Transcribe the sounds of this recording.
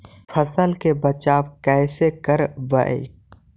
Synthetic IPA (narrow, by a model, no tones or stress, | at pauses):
fʰɐsəlkebɐt͡ʃaːbkɛːsekəɾʋɐʔḛ